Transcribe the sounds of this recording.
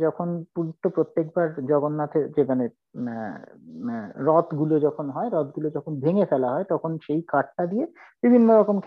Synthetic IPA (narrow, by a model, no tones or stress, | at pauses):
d͡ʑɔkʰonpuɾit̪ːopɾot̪ːek̚baɾd͡ʑɔɡonːat̪ʰed͡ʑemane | ɾɔt̪ɡulod͡ʑɔkʰonɦɔeɾɔt̪̚ɡulod͡ʑɔkʰonbʱeŋefɛlaɦɔet̪ɔkʰonʃejkaʈ̚ʈad̪ije | b̥ibʱinːoɾɔkomkʰ